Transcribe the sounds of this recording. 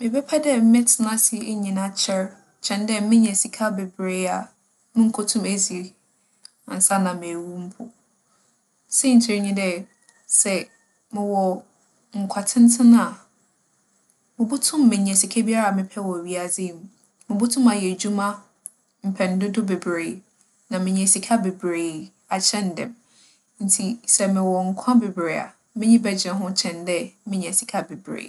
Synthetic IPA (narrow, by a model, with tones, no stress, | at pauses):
mɪ̃˨bɛ˦pʰa˦dɛ˦m̩˦mɛ̃˦tʰɪ˨nã˦sɪ˦ɲĩ˨nã˦t͡ɕʰɛ˦ɾ | t͡ɕʰɛ̃˨ndɛ˦mɪ̃˦ɲɛ̃˨si˨kʰa˦bɛ˨bɾe˦a˨ | nʊ̃˦ŋ̩˨kʰo˦tʰʊ̃˦mæ˨zi˨ɾ | ã̰˨n̩˨sa˦nã˨mɪ̃˨æ˨wu˦m̩˦pʰʊ̰˨ | sɛ˦˨ɲ̩˨t͡ɕʰɪ˨˦ɾɲĩ˦dɛ˦ | sɛ˨ | mɪ̃˨wɔ˨ | ŋ̩˨kʷʰa˨tʰɪ̃˦n˦tʰɪ̃˦na˨ | mɪ̃˨bʊ˦tʰʊ̃˦mː˦ɪ̃˨ɲ˨ɛ˨si˨kʰɛ˦bi˦a˦ɾa˨mɪ̃˨pʰɛ˦wɔ˨ɥi˦a˨d͡zi˦˨m˨ | mɪ̃˨bʊ˦tʰʊ̃˦ma˨jɛ˨d͡ʑu˦mã˦ | m̩˨pʰɛ̃˨n˦dʊ˦dʊ˦be˨bɾeː˨ | nã˨mɪ̃˨ɲ˨ɛ̃˨si˨kʰa˦be˨bɾeː˨ | a˨t͡ɕʰɛ̃˦n˨dɛ̰̃˨m | n̩˦tʰi˨sɛ˨mɪ̃˨wɔ˨ŋ̩˨kʷʰã˦be˨bɾe˨a̰˨ | mɪ̃˦ɲĩ˦bɛ˨d͡ʑɛ̃˨ɦʊ̃˦t͡ɕʰɛ̃˨ndɛ˦mɪ̃˦ɲ˨ɛ̃˨si˨kʰa˦be˨bɾḛ˨